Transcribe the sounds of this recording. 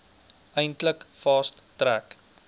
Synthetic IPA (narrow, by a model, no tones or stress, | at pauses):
ʔəjntləkfɑːstːræk